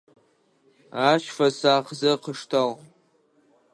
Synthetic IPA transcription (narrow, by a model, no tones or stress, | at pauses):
aʃfasaχzɨqʰəʂtʰal